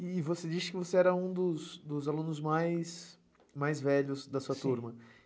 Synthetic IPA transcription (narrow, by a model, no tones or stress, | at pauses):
ɪːvosed͡ʒisɪ̥kɪvoseɛɾɐũd̪ʊsd̪ʊzalũnʊzmajs | majzvɛʎʊzd̪ɐsuɐt̪uɾmɐ